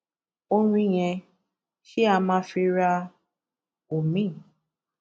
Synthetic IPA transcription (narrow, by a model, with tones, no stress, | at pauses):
o˧ɾ̃ũ˧i˦j̃ɛ̃˧ | ʃi˦a˧mãː˧˦fi˧ɾa˧ | o˨mĩ˦˨